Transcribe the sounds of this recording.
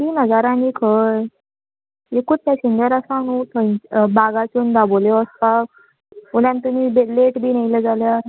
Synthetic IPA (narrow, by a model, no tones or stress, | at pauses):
t̪iːnəd͡zaɾãniːkʰəj | ekut̪̚ːjaɕind͡ʑəɾasanut̪ʰəbaɡat͡ɕund̪aboleəst̪a | puljant̪umibeleʈbiːnajled͡zaljaɾ